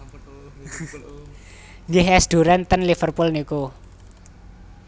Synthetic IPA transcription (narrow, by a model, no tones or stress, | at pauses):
ŋɪɦɛsd̪̥ṳɾɛnt̪ənlifərpulniku